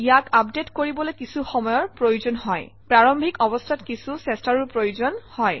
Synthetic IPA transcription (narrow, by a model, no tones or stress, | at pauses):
ijakapdetkoɹibɔlojkisuxɔmɔjɔɹpɹojuzɔnɦɔj | pɹaɹɔmbʱikɔbɔstʰatkisusestaɹupɹojuzɔnhɔj